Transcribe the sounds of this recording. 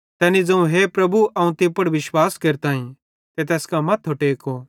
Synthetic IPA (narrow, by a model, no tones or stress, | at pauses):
t̪ɛːnid͡zɐ̃ũɦepɾɐbuʔɐũt̪ɪpəɽʋɪʃwaːskeɾt̪aːĩ | t̪et̪ɛːskamɐt̪ʰɦoʈeːko